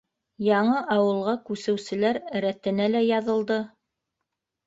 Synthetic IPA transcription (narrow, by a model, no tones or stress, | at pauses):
jɑɴɤʔɑwɤ̆lˠʁɑkʉsɘ̆wsɘ̆læɾɾæt̪ɘ̆nælæjɑðɤ̆lˠd̪ɤ